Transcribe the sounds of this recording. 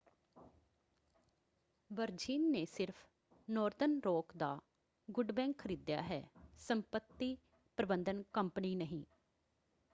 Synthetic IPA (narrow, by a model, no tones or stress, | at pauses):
ʋəɾd͡ʒiːnːeːsɪɾpʰ | noːɾd̪ənɾoːkd̪aː | ɡʊɖbɛ̃ːŋkkʰəɾiːd̪ja̰ːɦɛ̰ːsəmpət̪ːiː | pɾəbənd̪ənkəmpəniːnəɦĩː